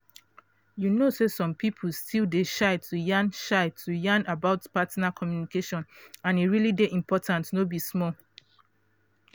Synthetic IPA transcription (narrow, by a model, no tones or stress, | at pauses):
junosesɔ̃mpʰipʰulstʰildeʃaɪtʰujãnʃaɪtʰujãnabaʊtpatnakʰɔmjunikeʃɔ̃nãniɹilideʔĩmpʰɔtʰãntnobismɔ